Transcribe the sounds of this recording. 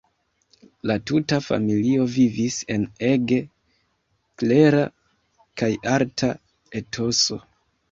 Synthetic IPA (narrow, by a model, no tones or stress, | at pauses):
latutafa̰milio̞vivise̞ne̞ɡe̞ | kle̞ɾa | kajaɾtʰa | e̞tʰo̞so̞